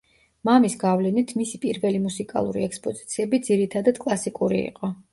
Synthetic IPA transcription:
mamisɡavlɛnit̪ʰmisipʼiɾvɛlimusikʼa̰lˠṵɾḭɛkspʼɔzi̥t̪sʰiɛbid̪ziɾit̪ʰad̪ad̪̥kʼlˠasikʼuɾḭḭqʼɔ

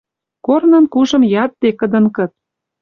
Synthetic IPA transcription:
kornɤ̆nkuʒɤ̆mjɑt̪̚d̪ekə̆d̪ɤ̆nkɤ̆t̪̚

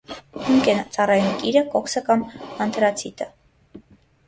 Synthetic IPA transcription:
huŋkʰɛnt͡sɑrɑjunkiɾəkɔksəkɑmɑnt̪ʰɾɑt͡sʰit̪ʰə

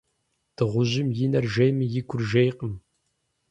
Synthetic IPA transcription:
d̥ɨʁʷʊʑɪmjɪnɐrʒejmɨjɪɡʷʰʊrʒejqʼəm

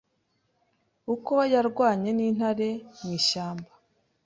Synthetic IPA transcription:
ukojaɾɡwaːɲe̞niːn̥haɾe̞mŋiːʃaːmba

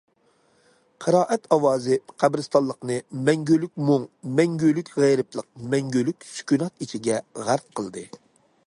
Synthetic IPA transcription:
qʰəɾɑːʔɛt̪ʰɑwɑːzɨqʰæbɾɨst̪ɑlˠːəqnɨmɛŋɡʲølykʲmuŋmɛŋɡʲølykʲʁæjɾɨplˠəq̚mɛŋɡʲølykʲsy̥kʲynɑt̪it͡ʃʰiɡʲɛʁæɾt̪̚qʰəlˠd̪ɨ

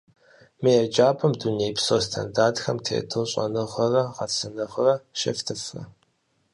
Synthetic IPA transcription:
mijɛd͡ʒaːpʰʼɐmdunejpsoːstʰɐ̰ndaːdxɐmtʰḛːtʰɨlɕʼɐ̰nɨʁʷɐrɐʁɐt͡sʰɐnɐʁɐrɐʃɐ̰ftʰɨfɐ̰

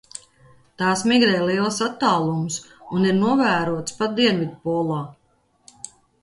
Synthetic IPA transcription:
t̪aːsmiɡɾɛːliɛlˠsat̪ːaːlˠumusuniɾnuɔvæːɾuɔt̪spat̪̚d̪iɛnvʲid̪pulˠaː

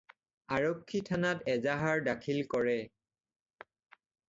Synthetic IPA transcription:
aɹɔkʰːitʰanatɛzaɦaɹdakʰilkɔɹɛ

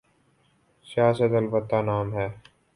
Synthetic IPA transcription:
sijaːsət̪ɐlbət̪ːanaːmɦɛː

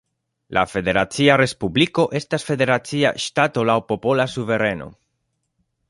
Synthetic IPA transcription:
lʔa̰fe̞de̞ɾat͡siaɾe̞spubliko̞ʔe̞stasfe̞de̞ɾat͡sia̰ʃtato̞lawpo̞po̞lasuve̞ɾe̞no̞̰

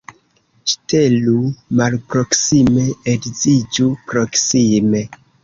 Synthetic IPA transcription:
ʃtelumalpɾo̞ksime̞edzid͡ʒupɾo̞ksime̞

